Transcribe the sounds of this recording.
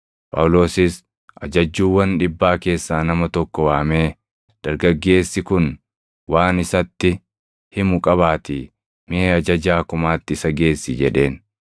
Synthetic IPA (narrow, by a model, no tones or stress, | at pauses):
pʼɐ̰wlo̞ːsɪs | ʔɐd͡ʒɐd͡ʒːuːwɐnᶑɪbːaːke̞ːsːaːnɐmɐt̪ɔkːɔwaːmeː | d̪̥ɐɾɡɐɡːe̞ːsːɪkʊn | waːnɪsɐt̪ːɪ | hɪmʊkʼɐβaːt̪ɪ | mɪeːɐd͡ʒɐd͡ʒaːkʊmaːt̪ːɪɪsɐɡe̞ːsːɪd͡ʒɛᶑe̞ːn